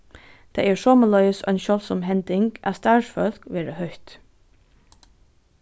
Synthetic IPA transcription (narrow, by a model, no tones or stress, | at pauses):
d̪̥eɪæːsɔːməlœʏsœ̰ɪnʃœlsɔmɦɛnd̪ɪŋɡʔæ̰ːst̪ɑːʂfœlkʋeːɹəhœʏt̪